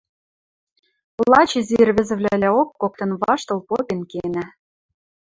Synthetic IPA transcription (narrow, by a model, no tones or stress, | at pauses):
lɑt͡ɕĕzirβɘ̆zɘ̆βlʲælʲæokːok̚t̪ɤ̆nβɑʃt̪ɤ̆lpopʲenkenæ